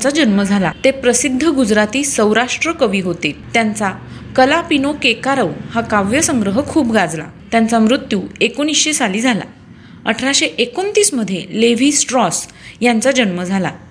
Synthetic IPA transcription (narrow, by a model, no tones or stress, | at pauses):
t͡sad͡ʑənməd͡zʱalat̪epɾəsid̪ʱːəɡud͡zɾat̪iːsə̃wɾaʂʈɾəkəʋiːɦot̪et̪jant͡sakəlapinokekaɾəwhakaʋjəsəŋɡɾəɦəkʰuːbɡad͡zla̰t̪jant͡samɾut̪juːekonisɕesaliːd͡zʱala̰ | əʈʰɾaɕeʔekont̪iːsməd̪ʱjeleʋ̤iːsʈɾɔs | jant͡sad͡ʑənməd͡zʱala̰